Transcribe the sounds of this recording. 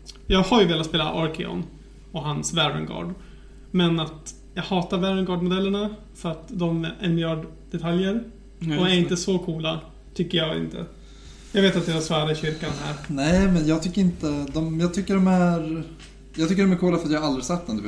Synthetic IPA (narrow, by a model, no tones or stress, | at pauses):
jɑːɡhaɾjɵveːlat̪speːla̰ʔɔɾkɪɔ̰n | ɔɦansvæɾə̰nɡɑ̰ːɖ | mɛnat̪ | jɑːɡhɑːt̪aɾvæɾənɡɑːɖmʊd̪ɛlːəɳa | fœɾat̪d̪ɔmɛʔɛmɪjɑːɖ | d̪̥ɛt̪ʰaljəɾ | ɔæɾɪnt̪əsɔkʰuːla | t̪ʰʏkːəjɑːɡɪ̰nt̪ʰə̰ | jɑːɡveːt̪at̪̚d̪ɛvɛsaːɾaɕʏɾkanɦæ̰ːɾnɛɪmɛnjɑːɡt̪ʰʏkːəɾɪnt̪əd̪ɔmjɑːɡt̪ʰʏkːəɖɔmæɾ | jɑɡt̪ʏkːəɖɔmæɾkʰuːlafɾat̪jahaald̪ɾɪsɛt̪ːɛnd̪ɵ